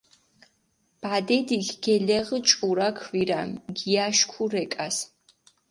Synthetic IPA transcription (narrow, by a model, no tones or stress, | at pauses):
b̥aːdɛdikɡ̥ɛɮɛʁət͡ʃʼuɾakʰviɾamɡijaːʃkʷʰurɛkʼas